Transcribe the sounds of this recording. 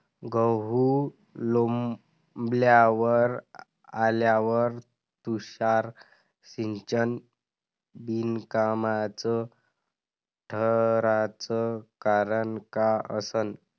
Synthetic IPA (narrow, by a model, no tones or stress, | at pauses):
ɡəɦu | lom | bljaʋəɾ | aljaʋəɾ | t̪uɕaɾ | siɲt͡ɕən | binkamat͡sə | ʈʰəɾat͡səkaɾəɳkaʔə̰sən